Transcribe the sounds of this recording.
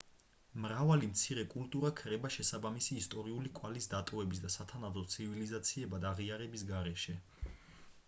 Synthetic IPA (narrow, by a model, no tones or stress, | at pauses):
mɾavalimt̪sʰiɾɛkʼult̪ʼuɾakʰɾɛbaʃɛsabamisiːst̪ʼɔɾiulikʼwalisd̪at̪ʼɔvɛbis̬d̪asat̪ʰanabd̪ɔt̪sʰivilizat̪sʰiɛbad̪aʁiaɾɛbisɡaɾɛʃɛ